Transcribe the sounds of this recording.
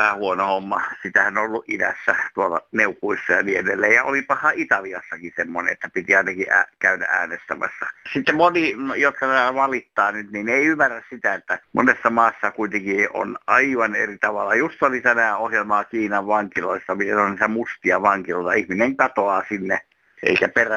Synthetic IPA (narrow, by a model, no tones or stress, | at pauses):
ʋæhæhuonohomːɑsit̪æhænoolːuʔidæsːæt̪uolːɑ̰neukːuisːɑjɑniːedelːeːjjɑolipɑhɑit̪ɑliɑsːɑkisemːonḛet̪ːæpit̪iɑinɑkiʔæ̰kæynæ̰ʔæ̰ːnest̪æmæ̰sːɑsit̪ːemmonijot̪kɑt̪ææʋɑlit̪ːɑːnyt̪nineiymːærːæssit̪æet̪ːæmo̰nesːɑmɑːsːɑkuit̪eŋkio̰nʔɑiʋɑnḛrit̪ɑʋɑlːɑjust̪olit̪ænæːohjelmɑːkiːnɑʋʋɑŋkiloisːɑmit̪enonniːt̪æmust̪iɑʋɑŋkiloit̪ɑihmineŋkɑt̪oɑːsinːe | ʔḛikæperæ